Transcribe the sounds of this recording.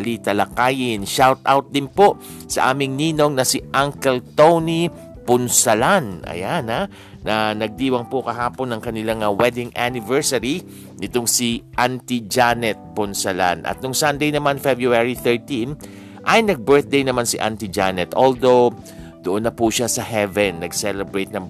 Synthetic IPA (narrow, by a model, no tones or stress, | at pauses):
ɐlit̪ɐlɐkaːjɪnʃawt̪̚ʔawt̪̚d̪ɪnpo | sɐʔaːmɪŋniːno̞ŋnɐsɪʔaŋkɛlt̪owni | pʊnsɐlanʔɐ̰jana | nɐnɐɡ̚d̪iːwɐŋpokɐɦaːponːɐŋkɐnɪlaŋɐwɛd̪ɪŋanɪvɛɹsɐɾi | nɪt̪oŋsiʔant̪id͡ʒanɛt̪̚pʊnsɐla̰nʔɐ̰t̪̚nʊŋsɐnd̪ejnɐmanfɛbɹuaɹiθɛɹt̪in | ʔɐjnɐɡ̚bɛɹθ̚d̪ejnɐmansɪʔa̰nt̪ɪd͡ʒanɛt̪ʔold̪ow | d̪̥oʔonːɐpuʃasɐhɛvɛnːɐɡsɛlɛbɹejt̪̚nɐŋ